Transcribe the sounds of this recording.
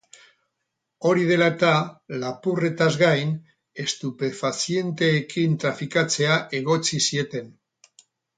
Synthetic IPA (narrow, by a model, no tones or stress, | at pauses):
o̞ɾið̞e̞laet̪alapure̞t̪azɣajn | e̞st̪upe̞fasie̞nt̪e̞ːkint̪ɾafikat͡se̞aʔe̞ɣo̞t͡sisie̞t̪e̞n